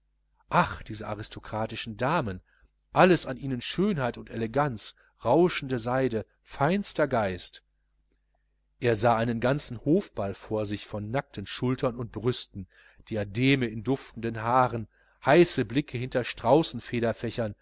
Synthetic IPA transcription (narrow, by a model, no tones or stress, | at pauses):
ʔaχd̥iːzəʔaʁɪstʰokʁ̥aːtɪʃn̩daːmən | ʔaləsanʔiːnənʃøːnhaɪtʊnteleɡant͡s | ʁaʊʃn̩dəzaɪdə | faɪnstɐɡaɪst | ʔeːɐzaːʔaɪnənɡant͡sn̩hoːfb̥alfoːɐzɪçfɔnːak̚tʰən̩ʃʊltʰɐnʊnt̚b̥ʁʏstn̩ | d̥iːadeːməɪndʊftn̩dənɦaːʁən | haɪsəblɪkʰəhɪntɐʃtʁ̥aʊsn̩feːɾɐfɛçɐn